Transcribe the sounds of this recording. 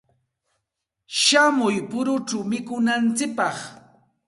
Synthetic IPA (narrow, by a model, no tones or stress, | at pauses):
ʃamʊjpʊɾʊʈ͡ʂawmɪkʊnant͡sɪk̚pɑχ